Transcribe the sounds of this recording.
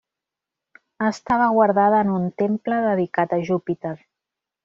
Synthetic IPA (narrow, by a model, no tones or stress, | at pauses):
əst̪aβəɣwaɾðaðəːnunt̪empləðəðikat̪əʒupit̪er